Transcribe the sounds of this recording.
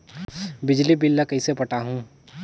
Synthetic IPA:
bɪd͡ʒlibɪlːakɐisepɐʈaɦũː

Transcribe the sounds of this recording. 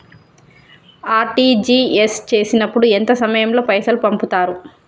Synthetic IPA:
aːɾʈiːd͡ʒiːest͡ʃe̞ːsinɐpːuɽuent̪ɐsɐmɐjɐmlo̞ːpɐjsɐlupɐmput̪aːɾu

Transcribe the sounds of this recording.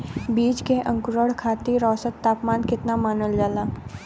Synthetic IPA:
biːd͡ʒkeʔə̃ŋkʊɾəɽkʰaːt̪iɾɔːsət̪ːaːpmaːnkɪt̪namaːnəld͡ʒaːlaː

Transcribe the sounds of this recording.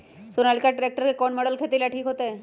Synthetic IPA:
sonalkaʈɾek̚ʈəɾkekɔɳmɔɽəlkʰet̪ilaʈʰiːkɦot̪e

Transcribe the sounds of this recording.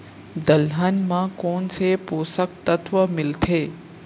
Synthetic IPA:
d̪əlɦənmãkoːnsepoːsək̚t̪ət̪ʰʋəmɪlt̪ʰeː

